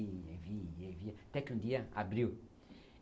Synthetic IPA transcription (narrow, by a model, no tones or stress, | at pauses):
evieviɐat̪ɛkɪũd̪iɐa̰bɾiw